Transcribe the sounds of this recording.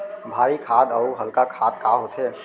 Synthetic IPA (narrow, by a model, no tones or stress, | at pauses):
bʱaːɾikʰaːd̪əuɦəlkakʰaːd̪̚kaɦot̪ʰe